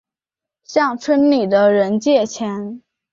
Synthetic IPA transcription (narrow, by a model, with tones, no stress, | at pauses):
ɕjɑ˥˩ŋʈ͡ʂʰə˥nli˨˩d̪ə˦ɻə˧˥nt͡ɕjɛ˥˩t͡ɕʰjɛ˧˥n